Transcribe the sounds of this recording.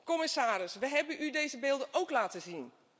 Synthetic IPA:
kɔmɪsaːɾɪsʋəɦɛbənʔydejzəbɪːlˠdəʔowklaːtəzin

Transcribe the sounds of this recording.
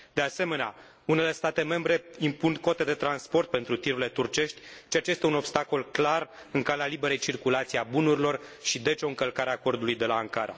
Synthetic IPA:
d̪e̞ase̞me̞nea | une̞le̞st̪at̪e̞me̞mbɾe̞impunko̞t̪e̞d̪e̞t̪ɾanspo̞rt̪̚pe̞nt̪ɾut̪iɾule̞t̪urt͡ʃe̞ʃt̪ʲt͡ʃeat͡ʃejest̪e̞uno̞bst̪ako̞lklar | ɨŋkalealibe̞ɾejt͡ʃirkulat̪sieabunuɾilo̞rʃid̪e̞t͡ʃo̞ɨŋkəlkaɾeaːko̞rd̪ulujd̪e̞laːŋkaɾa̰

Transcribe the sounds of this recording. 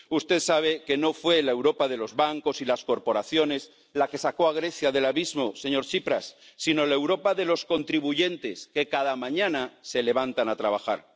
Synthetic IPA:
ust̪eðsaβ̞e̞ke̞no̞fwe̞lae̞wɾo̞paðe̞lo̞zβaŋko̞silasko̞ɾpo̞ɾaθjo̞ne̞z | lake̞sako̞aɣ̞ɾe̞θjaðe̞laβizmo̞se̞ɲo̞ɾt͡ʃipɾasːino̞laewɾo̞paðe̞lo̞sko̞nt̪ɾiβuʝe̞nt̪e̞ske̞kaðamãɲãnase̞le̞β̞ant̪anat̪ɾaβ̞axa̰ɾ

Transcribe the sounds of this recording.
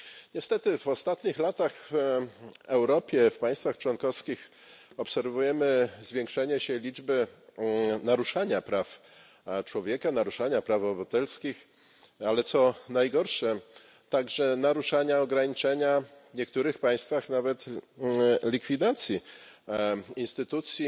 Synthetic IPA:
ɲɛst̪ɛt̪ɘvɔst̪at̪ɲixlat̪axv | ɛwɾɔpʲjɛfpãj̃st̪faxt͡ʂwɔnkɔfskʲix | ɔpsɛɾvujɛmɘzvʲjeŋkʂɛɲɛɕɛlʲid͡ʐbɘ | naɾuʂaɲapɾaf | t͡ʂwɔvʲjɛkanaɾuʂaɲapɾavɔbat̪ɛlskʲix | alɛt̪sɔnajɡɔɾʂɛ | t̪aɡʐɛnaɾuʂaɲaɔɡɾaɲit͡ʂɛɲavɲɛkt̪uɾɘxpaj̃st̪faxnavɛt̪ | lʲikfʲid̪at̪sʲji | inst̪ɘt̪ut̪sʲji

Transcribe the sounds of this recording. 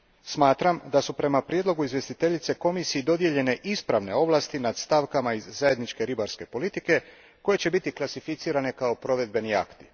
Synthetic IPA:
smaːt̪ɾamd̪asupɾe̞mapɾje̞d̪lo̞ɡuizʋje̞st̪it̪e̞ʎit̪se̞ko̞misijid̪o̞d̪je̞ʎe̞ne̞ʔispɾaʋne̞̰o̞ʋlast̪inad̪st̪aʋkamaizːaje̞d̪nit͡ʃke̞ɾibaɾske̞po̞lit̪ike̞ | ko̞je̞t͡ɕe̞bit̪iklˠasifit̪siːɾane̞kao̞pɾo̞ʋe̞d̪̚be̞nia̰kt̪i

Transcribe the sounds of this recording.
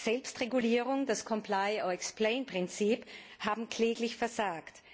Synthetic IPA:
z̥ɛlpstʁeɡuliːʁʊŋdaskʰɔmplaɪɔɛkspleɪnpʁ̥ɪnt͡siːphaːbm̩kʰl̥eːɡlɪçfɛɐzaːkt

